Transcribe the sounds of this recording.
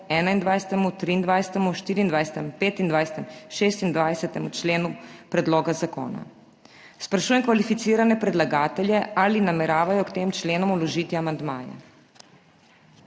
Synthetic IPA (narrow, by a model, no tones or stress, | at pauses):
ɛːnaind̪ʋajsɛ̥t̪ɛmut̪ɾiːnd̪ʋajsɛ̥t̪ɛmuʃt̪iːɾiːnd̪ʋajsɛ̥t̪ɛmpeːt̪ind̪ʋajsɛ̥t̪ɛmʃeːst̪ind̪ʋajsɛt̪ɛmut͡ʃleːnupɾɛd̪loːɡazako̰ːna̰ | spɾaʃuːjɛmkʋalifit̪siːɾanɛpɾɛd̪laɡaːt̪ɛljɛalinamɛɾaːʋajɔkt̪eːmt͡ʃleːnɔmulɔʒiːt̪iamand̪maːjɛ̰